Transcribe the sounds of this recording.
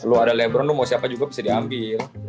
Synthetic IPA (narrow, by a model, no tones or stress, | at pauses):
luadalɛbɾɔnlʊmawsiapad͡ʒuɡabisadiambɪl